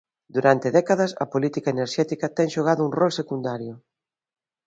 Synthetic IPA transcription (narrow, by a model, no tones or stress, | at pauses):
d̪uɾant̪ɪðɛkaðɐsɐ̰polit̪ikaeneɾʃɛt̪ikɐt̪ɛŋʃoɣaðʊuŋrɔlsekund̪aɾjʊ